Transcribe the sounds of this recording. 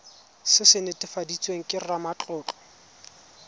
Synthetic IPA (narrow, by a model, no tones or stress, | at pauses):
sɪsɪnɪtʼɪfadit͡sʼweŋ̩kʼɪrramat͡ɬʼɔːt͡ɬʼɔ̥